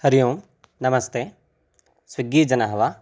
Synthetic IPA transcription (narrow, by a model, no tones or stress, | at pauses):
hɐɾijoːm | nɐmɐst̪e | swiɡiːd͡ʒɐnaɦɐʋa